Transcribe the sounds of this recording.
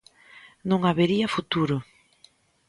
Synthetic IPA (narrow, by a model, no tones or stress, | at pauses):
nõŋaβeɾiɐfut̪uɾʊ